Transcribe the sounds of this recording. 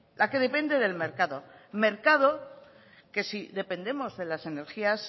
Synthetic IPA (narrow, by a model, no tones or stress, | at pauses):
lʔake̞ðe̞pe̞nd̪e̞ðe̞lme̞ɾkaðo̞me̞ɾkað̞o̞ | ke̞siðe̞pe̞nd̪e̞mo̞zðe̞lase̞ne̞ɾxias